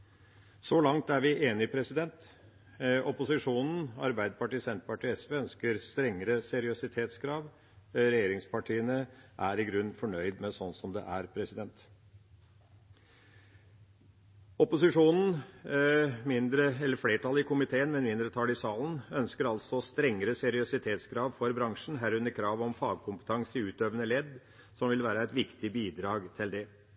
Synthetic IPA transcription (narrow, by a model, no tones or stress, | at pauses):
sɔlɑŋt̪æɾʋɪʔeːnɪpʰɾɛsɪd̪ɛnt̪ | ɔpʊsɪʂuːnn̩ɑ̰ɾbæɪd̪əpʰɑʈiːsɛnt̪pɑʈʰiːɛsʋeːœnskəɾst̪ɾɛŋːəɾəsɛɾɪʊsɪt̪ʰeːt̪skʰɾɑːʋ | ɾɛjeːɾɪŋspʰɑʈʰiːənəʔæɾɪɡɾʉnːfɔɳœʏd̪mɛsɔnsɔmd̪ɛ̰ʔæɾpʰɾɛsɪd̪ɛnt̪ | ɔpʊsɪʂuːnn̩ | mɪnd̪ɾəɛlːəɾfleːʈʰɑlɪkʊmɪt̪ʰeːənmɛnmɪnd̪ɾət̪ʰɑlɪsɑːln̩œnskəɾɑlsɔst̪ɾɛŋːəɾəsɛɾɪɔsɪt̪ʰeːt̪skʰɾɑːʋfɔɾbɾɑŋʂɳ̩ɦæɾʉnːəɾkʰɾɑːʋɔmfɑːɡ̚kʰʊmpə̥t̪ʰɑŋsəʉːt̪øʋənəlɛd̪ | sɔmʋɪlʋæːɾəæɪt̪ʋɪkt̪ɪbiːd̪ɾɑːɡt̪ʰɪld̪ɛ